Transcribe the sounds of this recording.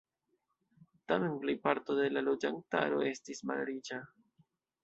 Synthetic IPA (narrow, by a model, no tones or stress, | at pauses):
tame̞nplejpaɾto̞de̞lalo̞d͡ʒaŋk̚ta̰ɾo̞̰e̞stisma̰lɾit͡ʃa